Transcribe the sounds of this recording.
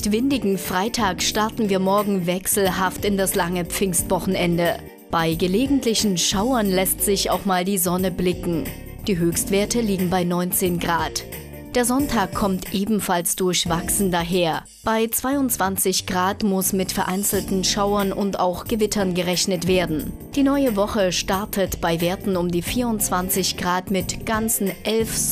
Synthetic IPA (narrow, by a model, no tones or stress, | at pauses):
tv̥ɪndɪɡŋ̩fʁ̥aɪtʰaːkʃtaɐtn̩viːɐmɔɐɡŋ̩vɛksl̩ɦaftɪndaslaŋəp͡fɪŋstv̥ɔχn̩ʔɛndə | b̥aɪɡəleːɡŋ̩tlɪçn̩ʃaʊɐnlɛstz̥ɪça̰ʊxmaːldiːzɔnəblɪkŋ̩ | d̥iːɦøːçstv̥eːɐtəliːɡŋ̩baɪnɔʏnt͡seːnɡʁaːt | d̥eːɐzɔntʰaːkʰːɔmtʰʔeːbm̩falsd̥ʊɐçv̥aksn̩daɦeːɐ | b̥aɪt͡sv̥aɪʊntt͡sv̥ant͡sɪçɡ̥ʁaːtmʊsmɪtfɛɐʔaɪnt͡sl̩tn̩ʃaʊɐnʔʊnta̰ʊxɡ̥əvɪtʰɐnɡəʁɛçnətv̥eːɐdn̩ | d̥iːnɔʏəvɔχəʃtaɐtʰətb̥aɪveːɐtn̩ʊmdiːfiːɐʊntt͡sv̥ant͡sɪçɡ̥ʁaːtmɪtɡ̥ant͡sn̩ʔɛlf